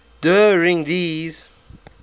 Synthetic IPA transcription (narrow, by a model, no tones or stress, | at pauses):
d̥əɹɪ̃ŋdiz